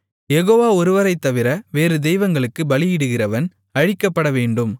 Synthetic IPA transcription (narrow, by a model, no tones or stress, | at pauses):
jɛɣoːʋaːɔɾɯʋɐɾɐɪt̪ːɐʋɪɾɐʋeːɾɯd̪ɛjʋɐŋɡɐɭɯkːɯbɐlɪjɪɽɯɣɪrɐʋɐn | ɐɻɪkːɐpːɐɽɐʋeːɳɖɯm